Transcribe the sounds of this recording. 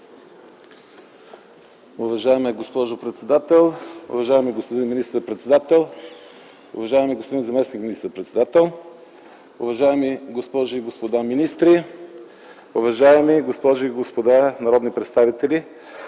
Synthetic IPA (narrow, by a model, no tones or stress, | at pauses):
ʊvɐʒaɛmɛɡospɔʒopɾɛt̪sɛd̪at̪ɛlˠʊ̰vɐʒaɛmiɡospod̪inminist̪əɾpɾɛt̪sɛd̪at̪ɛlˠ | ʊ̰vɐʒaɛmiɡospod̪inzɐmɛsnikminist̪əɾpɾɛt̪sɛd̪at̪ɛlˠ | ʊvɐʒaɛmiɡospɔʒʊiɡospod̪aminist̪ɾi | ʊvɐʒaɛmiɡospɔʒʊiɡospod̪anɐɾɔd̪nipɾɛt̪st̪avit̪ɛli